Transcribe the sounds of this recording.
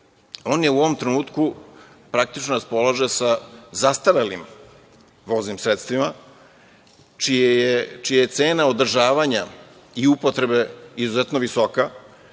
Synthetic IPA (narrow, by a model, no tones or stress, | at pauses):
o̞ːnjeuoʋo̞mt̪ɾenuːt̪ku | pɾak̚t̪it͡ʃnoɾaspo̞lˠaʒesazast̪aɾelim | ʋo̞ːznimsɾet̪st̪ʋima | ijet͡ʃijaje̞t̪se̞ːnao̞d̪r̩ʒaːʋaɲa | iupo̞t̪ɾe̞be̞izuzet̪noʋiso̞ka